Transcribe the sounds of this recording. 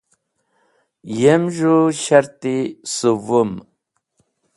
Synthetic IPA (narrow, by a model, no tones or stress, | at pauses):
jemʒuɕaɾt̪isuvum